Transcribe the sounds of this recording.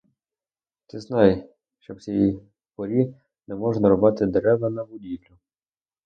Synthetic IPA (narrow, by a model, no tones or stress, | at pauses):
t̪ɪznɑj | ʃt͡ʃɔwt͡sʲsʲiji | pɔɾʲi | nɛmɔʒnɐɾɔbɑt̪ɪd̪eɾɛʋɐnɐbʊdʲiʋlʲʊ